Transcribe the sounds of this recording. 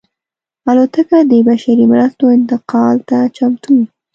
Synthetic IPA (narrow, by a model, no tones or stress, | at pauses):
alot̪akad̪əbaʃaɾimɾast̪oɪnt̪ɪqɑlt̪at͡ʃamt̪ʰuwi